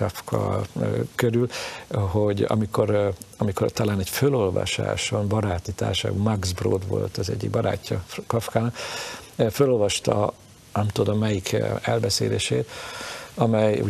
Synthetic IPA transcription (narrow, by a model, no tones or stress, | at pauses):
ɒfkʰɒ̰ | køɾylɦoɟɒ̰miko̞ɾɒmiko̞rt̪ɒlaːnɛcfølo̞lvɒ̰ʃa̰ːʃombɒɾaːt̪it̪a̰ːrʃa̰ːɡbɒmaɡzbro̰ːd̪ʋo̞̰lt̪ɒzɛ̰ɟːḭɡ̚bɒɾa̰ːcːɒkɒfkaːnɒk | følo̞lvɒʃt̪ɒ | nɛmt̪ud̪omːɛjikʰɛlbɛseːleːʃeːt̪ | ɒmɛjṵ